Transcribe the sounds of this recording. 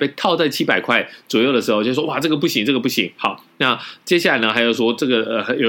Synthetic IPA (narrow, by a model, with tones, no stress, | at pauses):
pe˥˧ɪt̪ʰɑ˥˧ʊt͡sa˥˩ɪt͡ɕʰi˦˥pa˨˩ɪkʰwa˥˩ɪt͡swɔ˨˩jo˥˩ʊd̪ə˩ʂɻ̩˧˥o˧˩t͡ɕo˥˩˥wɔ˥wa˥˨˩ʈ͡ʂɤ˥˩ɡə˩pu˥˩ɕi˧˥ŋʈ͡ʂɤ˥˩ɡə˩pu˥˩ɕi˧˥˦ŋxɑ˨˩˦ʊna˥˩t͡ɕjɛ˥ɕ̬a˥˩a˧˦ɪnə˧xa˧˥ɪjo˨˩ʊʂwɔ˥ʈ͡ʂɤ˥˩ɡə˩ə˩˧˩jo˨˩